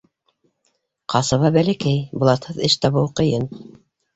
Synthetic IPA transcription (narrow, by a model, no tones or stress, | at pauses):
qɑsɤ̆βɑbælæ̆kæjbŏlˠɑt̪hɤðɘʃt̪ɑβɤwqɤ̆jɤn